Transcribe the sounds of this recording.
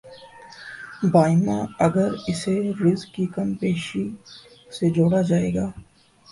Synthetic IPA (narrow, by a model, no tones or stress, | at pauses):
baːɪmãɐɡəɾɪseɾɪzkːikɐmpeːʃi | sed͡ʒoːɽad͡ʒaːeːɡaː